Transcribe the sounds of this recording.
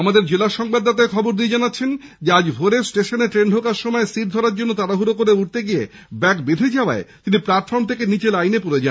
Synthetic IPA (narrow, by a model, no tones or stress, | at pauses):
amad̪eɾd͡ʑelaʃɔŋbad̪ːat̪aekʰɔboɾd̪ijed͡ʑanatːɕʰen | d͡ʑead͡ʑbʱoɾesʈeʃoneʈɾenɖʱokaɾʃomɔesiʈ̚d̪ʱɔɾaɾd͡ʑonːot̪aɾaɦuɾokoɾeuʈ̚t̪eɡije | bɛkbed̪ʱed͡ʑaoa̰et̪inipɾaɾʈ̪fʰoɾmt̪ʰekenit͡ɕelajnepoɾed͡ʑa